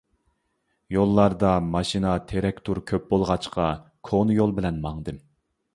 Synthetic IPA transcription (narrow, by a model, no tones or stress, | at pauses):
jolˠːɑɾd̪ɑmɑʃinɑt̪ʰeɾɛkʲt̪ʰuɾkʲʰøp̚bolˠʁɑt͡ʃqʰɑ | kʰonɨjolˠbɪlɛnmɑŋd̪ɨm